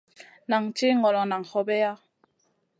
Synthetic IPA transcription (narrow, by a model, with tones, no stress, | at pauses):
na˨ŋt͡ʃi˦ŋɔ˨lɔ˨na˨ŋhɔ˧bɛ˦ja˦